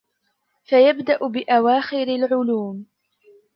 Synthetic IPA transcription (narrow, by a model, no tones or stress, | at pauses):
fajabd̪aʔʊbɪʔawaːxɪɾalʕʊluːm